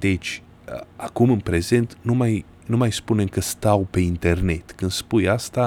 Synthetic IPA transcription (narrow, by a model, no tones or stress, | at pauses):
d̪e̞t͡ʃʲ | ə̰akumɨnpɾe̞ze̞nt̪numaj | numajspune̞mkəst̪awpe̞int̪e̞rne̞t̪kɨnd̪̥spujast̪a